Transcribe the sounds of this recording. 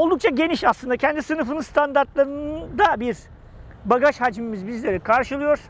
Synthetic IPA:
o̞lˠd̪uk̚t͡ʃʰaɟe̞niʃaslˠɯnd̪acʰɛnd̪isɯnɯfɯnɯnst̪ʰand̪aɾt̪lˠaɾɯnd̪abiɾ | baɡaʃhad͡ʒmimizbizlʲe̞ɾikʰaɾʃɯlˠɯjo̞ɾ̥

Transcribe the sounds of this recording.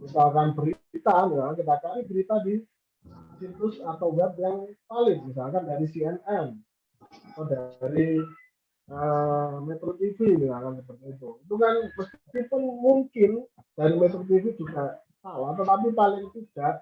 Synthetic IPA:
misalkanbəɾit̪amisalkaŋk̬it̪akanibəɾit̪adi | sit̪ʊsat̪awɡat̪̚jaŋpalɪŋmis̬alkandaɾisiɛnɛn | odaɾi | əmet̪ɾot̪ifimialkansəpət̪it̪̬uit̪ukanməskkip̪ʊnmuŋkɪn | d̥aɾimɛt̪ɾot̪̬ivid͡ʒuɡaʔ | salat̪ət̪ap̬ipalɪŋt̪id̥aʔ

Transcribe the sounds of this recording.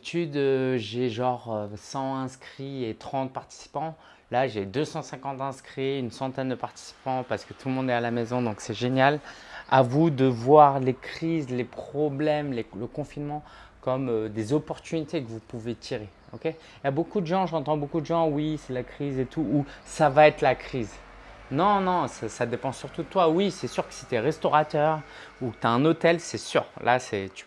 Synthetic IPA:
t̪ʰyd̪øʒeʒɑ̃ʁøsɑ̃ɛ̃skχiet̪χɑ̃t̪̚paʁt̪i̥si̥pɑ̃ | laʒed̪øsɑ̃sɛ̃kɑ̃t̪ɛ̃skχiynsɑ̃t̪ɛnd̪əpaʁt̪i̥si̥pɑ̃paʁsə̥kət̪ʰulmɔ̃d̪ɛalamezɔ̃d̪ɔ̃ksɛʒenjalavud̪əvwaʁlekχizlepχɔblɛmleləkɔ̃finmɑ̃kɔmød̪ezɔpɔʁt̪ynit̪ekəvupuvet̪ʰiʁe | ɔkʲe | jabokud̪əʒɑ̃ʒɑ̃t̪ɑ̃bokud̪əʒɑ̃wisɛlakχizet̪ʰuːsavaɛt̪χlakχiz | nɔ̃nɔ̃sasad̪epɑ̃syʁt̪ud̪ət̪wawisɛsyʁkə̥si̥t̪yɛʁɛst̪ɔʁat̪œʁ | ukə̥t̪yaɛ̃not̪ɛlsɛsy̰ʁlʔa̰sɛt̪y̥

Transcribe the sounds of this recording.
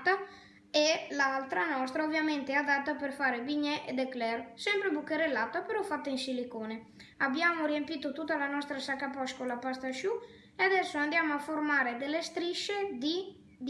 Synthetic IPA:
t̪a | elalt̪ɾanɔst̪ɾaovjament̪eɛad̪at̪ːaperfaːɾebiɲɛʔed̪eklɛrsɛmpɾebukːeɾelːat̪apeɾɔfat̪ːainsilikoːne | abjamoɾiempiːt̪ot̪ut̪ːalanɔst̪ɾasakːapɔʃkolapast̪aʃu | ead̪ɛsːoand̪jamoaformaːɾed̪elːest̪ɾiʃed̪i | d̪

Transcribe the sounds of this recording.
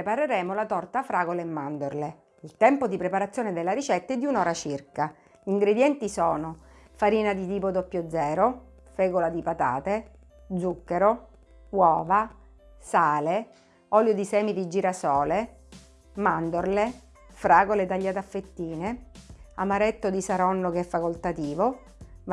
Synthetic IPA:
epaɾeɾɛːmolat̪ɔrt̪afɾaːɡoleːmːand̪orle | ilt̪ɛmpod̪ipɾepaɾat̪sːjoːned̪elːaɾit͡ʃɛt̪ːaɛd̪ːiunɔːɾat͡ʃirka | iŋɡɾed̪jɛnt̪isɔːno | faɾiːnad̪it̪iːpod̪opːjod̪zːɛːɾo | fɛːɡolad̪ipat̪a̰ːt̪e | d̪zukːeɾo | wɔːva | saːle | ɔljod̪isɛːmid̪id͡ʒiːɾasɔːle | mand̪orle | fɾaːɡoled̪aʎːaːt̪afːet̪ːiːneamaɾɛt̪ːod̪isaɾɔnːokeɛfːakolt̪at̪iːvo

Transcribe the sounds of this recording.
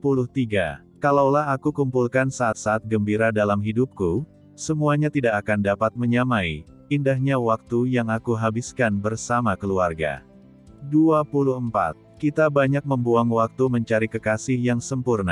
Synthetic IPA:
pulʊht̪iɡa̰ | kalawlaɦakukumpulkansaʔːt̪̚saːt̪̚ɡəmbiɾadalamɦidup̚ku | səmuaɲat̪idakakandapat̪̚məɲamai | indaɦɲawak̚t̪ujaŋakuɦabɪskanbərsamakəluarɡa̰ | duapulʊhəmpa̰t̪̚kit̪abaɲak̚məmbuaŋwak̚t̪uməɲt͡ʃaɾikəkasɪhjaŋsəmpurna̰

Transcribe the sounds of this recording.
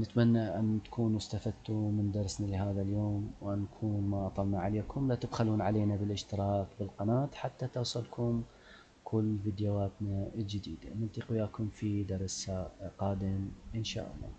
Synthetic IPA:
nɪt̪manːaʔant̪ḁkʰuːnst̪afad̪̚t̪umɪnd̪ɑɾˤsnalɪɦaːðaljoːmwʔanːakʰuːnmaʔɑt̪ˤɑlnaʕaleːkʊmlat̪ab̪xaluːnʕaleːnabɪlʔɪʃt̪ɪɾɑːkbɪlqɑnaːt̪ħat̪ːat̪ɑwsˤɑlkʰʊm | kʰʊlːvid̪jawaːt̪nald͡ʒɪd̪ḭːd̪anɪlt̪ˤiqʊjaːkʊmfid̪ɑɾˤsaqɑːd̪ɪmʔɪnʃa̰ːʔɑ̰lˤːɑ̰ː

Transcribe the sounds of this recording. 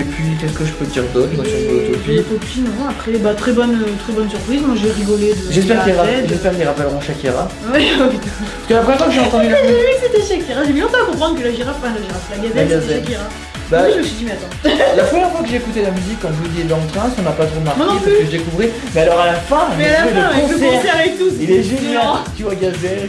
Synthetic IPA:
ʒepikʲɛsə̥kəʒəpød̪iʁd̪ɔt̪mɔ̃sɔ̃pøt̪ɔpit̪ɔpinɔ̃apχɛbat̪χɛbɔnt̪χɛbɔnsyʁpχizmwaʒeʁiɡɔled̪əʒɛspɛʁkiʁaɛt̪ʒɛspɛʁkiliʁapavʁɔ̃ʃakʲiʁa | wɛ | paskəlapχəmjɛʁfwakəʒeɑ̃t̪ɑ̃d̪yliekut̪eʃakʲiʁaʒemilɔ̃t̪ɑ̃akɔ̃pχɑ̃d̪ʁkəlaʒiʁaffɛ̃laʒiʁaflaɡazɛaɡazɛakiʁa | baʒməsɥid̪imɛat̪ɑ̃lapχəmjɛʁfwakəʒeːkut̪elamyzikːɑ̃ʒud̪id̪ɑ̃lt̪χɛ̃sɔ̃napat̪χod̪maʁmwanɔ̃plyyʒd̪ekuvʁiʁ | mɛalɔʁalafɛ̃ɛalafɛflɛ̃ɔ̃ssaʁɛt̪usilɛʒenjɑ̃t̪yvwaɡazɛ

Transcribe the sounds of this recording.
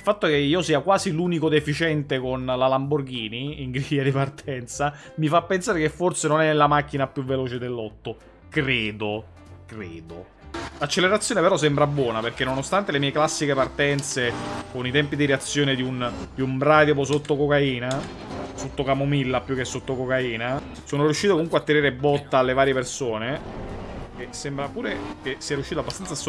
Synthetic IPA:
ilfat̪ːokeiːosiːakwaːziluːnikod̪efit͡ʃɛnt̪ekonlalamborɡ̟iːniːŋɡɾijad̪ipart̪ʰɛnt̪sa | mifapːensaːɾekefːorsenonɛnːelamakːinapjuvːeloːt͡ʃed̪elːɔt̪ːo | kɾeːd̪o | kɾeːd̪o | lat͡ʃːelːeɾat̪sːjoːnepeɾɔs̬ɛmbɾabːwɔːnaperk̟enːonost̪ant̪elemiːeklasːikepart̪ɛnt̪sekonit̪ɛmpid̪iɾeat̪sːjoːned̪iund̪iumbɾaːd̪jopos̬ot̪ːokokaiːna | sot̪ːokamomilːapːjukːesːot̪ːokokaiːna | soːnoɾijuʃːit̪okomuŋkweat̪ːeɾeːɾebɔt̪ːaalːevaːɾjepersoːne | kesːembɾapuːɾek̟esːiːaɾijuʃːit̪abːast̪anas

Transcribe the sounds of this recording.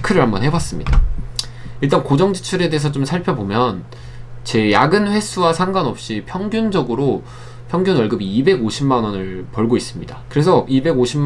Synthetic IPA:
kʰɯɾɯɭhambʌnɦe̞bas͈ɯmɲida | iɭt͈ankod͡ʑʌŋd͡ʑi̥t͡ɕʰuɾe̞de̞ːsʰʌt͡ɕomsʰaɭpʰjʌbomjʌn | t͡ɕe̞jaɡɯnɸwe̞sʰuwasʰaŋɡanʌp̚ɕ͈ipʰjʌŋɡjund͡ʑʌɡɯɾo | pʰjʌŋɡjunwʌɭɡɯbiːbe̞ɡoɕʰimːanʌnɯɭpʌɭɡois͈ɯmɲidakɯɾe̞sʰʌibe̞ɡoɕʰim

